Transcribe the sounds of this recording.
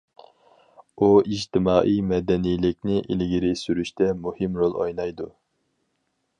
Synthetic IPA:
uid͡ʒt̪ʰɪmɑːʔijmɛd̪ɛnijlɪk̚ʲnɪʔilɡʲiɾɪsyɾyʃt̪ɛmuhɨmɾolˠo̰jnɑjd̪u

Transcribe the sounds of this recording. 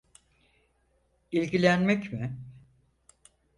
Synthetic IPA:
ilʲɟilʲænmɛcmɪ

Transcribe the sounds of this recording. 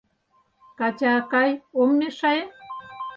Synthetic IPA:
kat͡ʃaːkajomniʂaje

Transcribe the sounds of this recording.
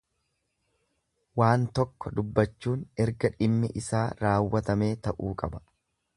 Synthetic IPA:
waːnt̪ɔkːɔd̪ʊbːɐt͡ʃːuːnɛɾɡɐᶑɪmːɪʔɪsaːɾaːwːɐt̪ɐme̞ːt̪ɐʔuːkʼɐbɐ̥

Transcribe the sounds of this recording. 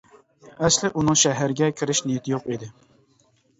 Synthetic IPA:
ɛslɪʔunɨŋʃɛɦæɾɡʲɛkʲʰɪɾɪʃnijit̪ʰɪjoqid̪ɪ

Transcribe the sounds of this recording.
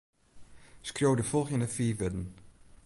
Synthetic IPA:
skrjoːdəfɔlˠxjənəfiːʋɪdn̩

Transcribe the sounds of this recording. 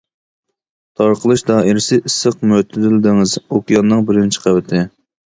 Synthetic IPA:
t̪ʰɑɾqʰəlˠɨʃd̪ɑːʔiɾɪsɪʔisːəq̚møt̪ʰɪd̪ɪlɪd̪ɪŋɪzokʲijɑnːɨŋbɪɾɪnt͡ʃʰi̥qʰæwɪt̪ʰɪ

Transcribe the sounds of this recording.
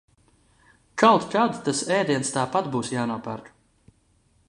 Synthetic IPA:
kawt̪kad̪t̪asɛːd̪iɛnst̪aːpat̪buːsjaːnuɔpa̰ɾt̪u̥

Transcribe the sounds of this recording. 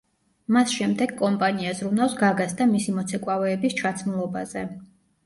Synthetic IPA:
masʃɛmd̪ɛɡkʼɔmpʼaniazɾunavsɡaɡasd̪amisimɔt̪sʰɛkʼwavɛːbist͡ʃʰat̪sʰmulˠɔbazɛ

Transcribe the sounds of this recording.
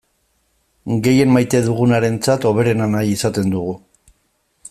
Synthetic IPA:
ɡe̞je̞nmajt̪e̞ðuɣ̞unaɾe̞nt͡sat̪o̞β̞e̞ɾe̞nanajisat̪e̞nd̪uɣu

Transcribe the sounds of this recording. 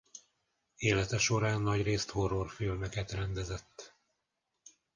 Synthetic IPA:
eːlɛt̪ɛʃo̞ɾaːnːɒɟreːst̪horːorfilmɛkɛt̪rɛnd̪ɛzɛt̪ː

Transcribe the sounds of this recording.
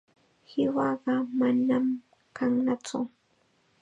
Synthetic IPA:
hɪwɑɢɑmanam | kʰaŋnat͡sʊ

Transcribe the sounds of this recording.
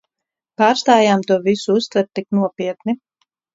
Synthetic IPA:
paːɾst̪aːjaːmt̪uɔvisuust̪vɛɾt̪ːiknuɔpʲiɛt̪̚ni

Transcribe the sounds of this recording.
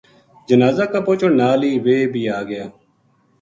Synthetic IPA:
d͡ʒənaːzaːkapoːt͡ʃoːnaːliːʋeːbʱiːaːɡɪjaː

